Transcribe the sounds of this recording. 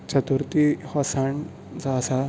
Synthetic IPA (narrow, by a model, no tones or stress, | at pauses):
t͡ɕət̪uɾt̪ihɔsaɳ | t͡saːsa